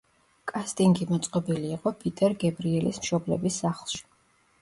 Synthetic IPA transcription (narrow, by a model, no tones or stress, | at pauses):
kʼast̪ʼiŋɡimɔt̪sʼqʼɔbiliːqʼɔpʰʼit̪ʼɛɾɡɛbɾiɛlismʃɔblɛ̰bisːaχlˠʃi̥